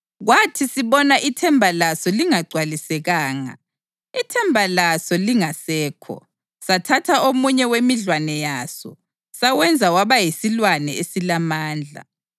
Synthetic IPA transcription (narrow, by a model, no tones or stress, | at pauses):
ɣwatʰisiβɔnaʔitʰɛmbʱalasɔliŋaɡ͡ǀʱwalisɛɣaːŋa̰ | itʰɛmbʱalasɔliŋasɛːkʰɔ̰ | satʰatʰaomuɲɛwemiɮwanɛjaːsɔ̰ | sawɛnd͡zʱawaβajisilwanɛesilamaːnd͡ɮʱa̰